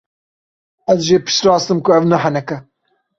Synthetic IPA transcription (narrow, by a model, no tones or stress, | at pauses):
ɐzʒeːpɪ̥ʃɾɑːst̪ɨmkʊɐwnɐħɐnɐkɐ